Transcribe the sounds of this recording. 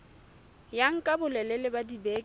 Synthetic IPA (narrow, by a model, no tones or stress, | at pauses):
jaŋ̩kʼabʊlɛlɛlɪbadibeːk